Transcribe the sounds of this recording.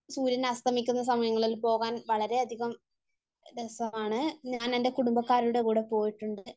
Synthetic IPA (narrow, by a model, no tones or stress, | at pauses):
suːɾɐnɐst̪ʰɐmikʲːunːɐsɐmɐjɐŋːɐɭilpo̞ːɣaːnʋɐɭɐɾe̞ɐd̪ʱiɣɐm | d̪esɐmaːɳɨɲaːnendekuɽumbɐkːaːɾuɽe̞kuːɽe̞po̞ːjiʈːuɳɖɨ